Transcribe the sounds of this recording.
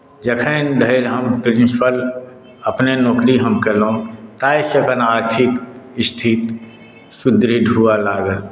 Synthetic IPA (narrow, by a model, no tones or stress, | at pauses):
d͡ʒəkʰə̃nd̪ʱəɪlɦəmpɾɪ̃nspʰəl | əpnenɔːkɾiɦəmkelõt̪aːiʃəkənaːɾt̪ʰɪkɪst̪ʰit̪ | sʊd̪ɾiɖʱuːalaːɡəl